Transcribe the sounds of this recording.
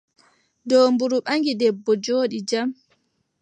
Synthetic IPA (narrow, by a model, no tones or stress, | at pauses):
dɔmbuɾuɓaŋɡidɛbːɔd͡ʒoːɗid͡ʒam